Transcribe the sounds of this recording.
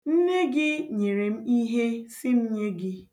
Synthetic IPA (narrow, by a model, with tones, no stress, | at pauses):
n̩˦ne˦ɡɪ˦ɲe˨ɾe˨m̩˦i˦ɦe˦sɪ˦n̩˦ɲe˦ɡɪ˦